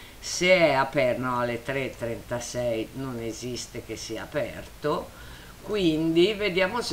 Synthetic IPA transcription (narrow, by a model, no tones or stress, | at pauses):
seɛapɛrnoalːet̪ɾet̪ːɾent̪asɛjnonezist̪ek̟esːia̰ːpɛ̰rt̪o | kwind̪ived̪jaːmos